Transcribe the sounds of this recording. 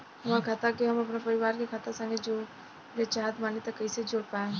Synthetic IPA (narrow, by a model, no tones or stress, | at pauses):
ɦɐmãkʰat̪akiɦɐmɐpnapɐɾɪʋaːɾkekʰat̪asə̃ŋɡed͡ʒoː | ɾet͡ʃaːɦət̪maːnit̪əkːɐised͡ʒoːɽpaːe